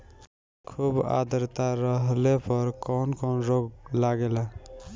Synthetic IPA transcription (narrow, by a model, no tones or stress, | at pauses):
kʰuːba̰ːd̪əɾt̪aɾəɦlepʰɔɾkɔːnkɔːnɾoːɡlaːɡela